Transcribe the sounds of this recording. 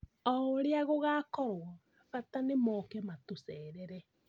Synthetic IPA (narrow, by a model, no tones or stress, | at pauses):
ɔoɾeaɣoɣakɔɾwɔ | ɣatanemɔkɛmatosɛɾɛɾɛ